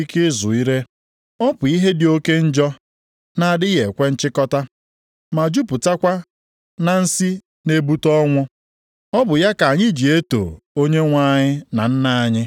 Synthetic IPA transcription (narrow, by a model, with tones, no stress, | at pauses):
i˦kɪ˦zʊ˨i˦ɾe˦ | ɔ˦pʊ˨i˦ɦe˦dɪ˨o˦ke˦n̩˦d͡ʒɔ˦ | na˨dɪ˦je˨kʷe˦n̩˦t͡ʃɪ˦kɔ˦ta˦ | ma˨d͡ʒu˦pʊ˨ta˦kʷa˦ | na˨n̩˦si˦ | ne˦bu˦tɔ˦ŋʷʊ˦ | ɔ˦bʊ˨ja˦ka˨ɲɪ˦d͡ʒi˨e˦to̰˨ | o˦ɲe˦ŋʷa˦ɲɪ˦na̰˨n̩˦na˦a˨ɲɪ˦